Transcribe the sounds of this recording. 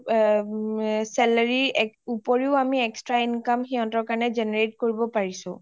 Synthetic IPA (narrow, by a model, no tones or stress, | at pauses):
sɛlaɹiupoɹiʊamiɛkstɹainkamxiɦɔ̃tɔɹkaɹnɛzeneɹetkoɹibɔpaɹisʊ̃